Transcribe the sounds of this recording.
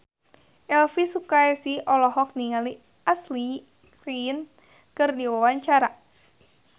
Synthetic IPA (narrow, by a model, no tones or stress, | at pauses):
ʔɛlfisukaɛsiʔɔlɔɦɔk̚niŋali | asli | kɾin | kɨrdiwawaɲt͡ʃaɾa